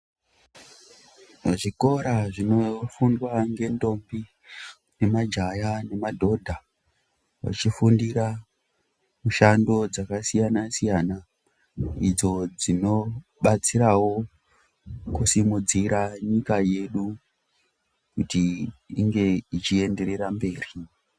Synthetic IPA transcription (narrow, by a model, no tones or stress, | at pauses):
ʐiko̞ɾaʐino̞fundwaŋɡe̞ndo̞mbi | ne̞mad͡ʒajane̞madʱo̞dʱa | wa̰t͡ʃifundiɾa | muʃando̞d͡zakasijanasijana | id͡zo̞d͡zino̞ɓat͡siɾawo̞ | kusimud͡ziɾaɲikaje̞ɗu | kutiːŋɡe̞it͡ʃie̞nde̞ɾe̞ɾambe̞ːri